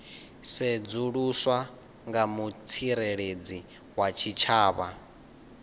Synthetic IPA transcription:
sɛd͡zuɺuswa | ŋɡamut͡sʰiɾeɺed͡zi | wat͡ʃʰit͡ʃʰaːβa

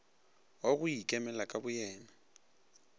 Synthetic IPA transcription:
oɣʊikʼɛmɛlakʼabʊjɛːna

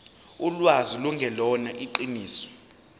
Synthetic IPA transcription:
ulwaziluŋɡʱɛlɔnaʔiǃiniːsɔ̥

